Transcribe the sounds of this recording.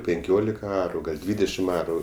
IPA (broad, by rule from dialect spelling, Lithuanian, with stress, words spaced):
pʲɪŋʲˈkʲoːlʲɪkɐ ˈɑːrʊ ɡɐlʲ ˈdʲʋʲiːdʲɛʃʲɪm ˈɑːrʊ